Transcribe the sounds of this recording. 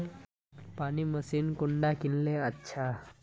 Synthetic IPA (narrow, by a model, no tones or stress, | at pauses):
paɽ̃iːməsiːnkuɳɖakilːeətːɕʰa